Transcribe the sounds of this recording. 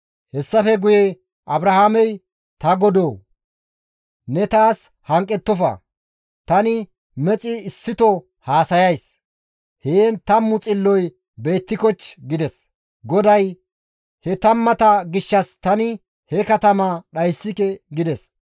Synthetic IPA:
hɛsːɐfɛɡʊje | ʔɐbɾɐhaːmɛj | t̪ɐɡɔd̪oː | nɛt̪aːs | hɐŋkʼːɛt̪ːɔfɐ̰ | t̪ɐnɪ | mɛt͡sʼɪɪsːɪt̪ɔ | haːsɐjɐjs | heːnt̪ɐmːʊt͡sʼɪlːɔj | be̞ːt̪ːɪkɔt͡ʃːɡɪd̪ɛs | ɡɔd̪ɐj | hɛt̪ɐmːɐt̪ɐɡɪʃːɐst̪ɐnɪ | hɛkɐt̪ɐmaɗɐjsːɪkɛɡɪd̪ɛs

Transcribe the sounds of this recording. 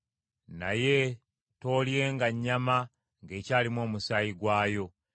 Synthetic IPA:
na̰je̞ | to̞ːlje̞ːŋɡaɲːama | ŋɡe̞ːcaːlimwo̞ːmusajiɡwaːjo̞

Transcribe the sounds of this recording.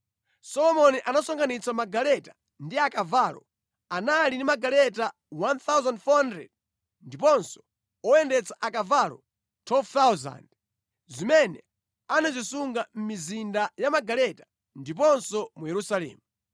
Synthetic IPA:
sɔlɔmɔniʔanasɔŋɡʰanit͡samaɡalɛtḁ | ndiakavalɔ̰ | analinimaɡalɛta | wanθawzandfɔhandɾɛ̰d̚ | ndipɔnsɔ̥ | ɔɛndɛt͡sʰaʔakavalɔ̰ | tʰɛlvt̪awza̰nd | zimɛnɛ | anazisuŋɡam̩mizindajamaɡalɛtḁ | ndipɔnsɔmujɛɾusalɛ̰ːmu

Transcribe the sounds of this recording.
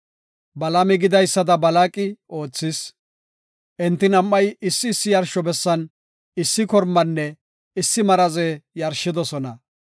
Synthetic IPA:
bɐlɐmɪɡɪd̪ɐjsːɐd̪ɐbɐlaːkʼɪo̞ːt͡sːɪs | ʔɛnt̪ːɪnɐmːɐjɪsːɪːsːɪjɐɾʃɔbɛsːɐn | ɪsːɪkɔɾmːɐnːɛ | ɪsːɪmɐɾɐzeːjɐɾʃɪd̪ɔsɔnɐ

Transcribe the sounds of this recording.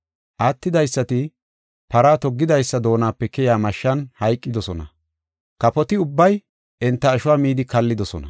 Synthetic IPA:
ʔɐt̪ːɪd̪ɐjsːɐt̪ɪ | pɐɾaːt̪ɔɡːɪd̪ɐjsːɐd̪o̞ːnaːpːɛkɛjaːmɐʃːɐnhɐjkʼːɪd̪ɔsɔnɐ̰ | kɐpɔt̪ɪʊbːɐj | ɛnt̪ːɐːʃʊwaːmiːd̪ɪkɐlːɪd̪ɔsɔ̰nɐ̰

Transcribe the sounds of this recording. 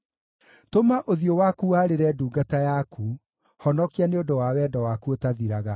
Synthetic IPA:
tomaʔoðiowakuaɾeɾɛduːɡatajakʰu | hɔnɔkianeodowawɛdɔwakuotaðiɾaɣa

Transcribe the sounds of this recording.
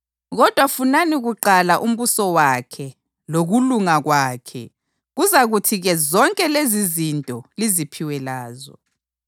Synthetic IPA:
ɣɔd̥ʱwafunaniɣuǃalaʔum̩βusɔwakʰɛ | loɣuluŋaɣwaːkʰɛ̰ | ɣuzaɣutʰiɣɛzɔŋkʼɛlezizintʼɔlizipʰiwɛlaːzɔ̰

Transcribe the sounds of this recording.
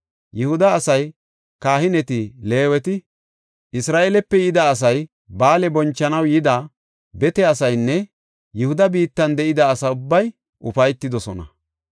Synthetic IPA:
jɪhʊd̪ɐːsɐj | kaːhɪnɛt̪ɪle̞ːwɛt̪ɪ | ʔɪsɾaːʔeːlɛpːɛjɪd̪ɐːs̬ɐj | baːlɛbɔnt͡ʃːɐnɐwjɪd̪ɐ | bɛt̪ɛɐsɐjnːɛ | jɪhʊd̪ɐbiːt̪ːɐnd̪ɛʔɪd̪ɐːsɐʊbːɐj | ʔʊfɐjt̪ːɪd̪ɔsɔnɐ̰

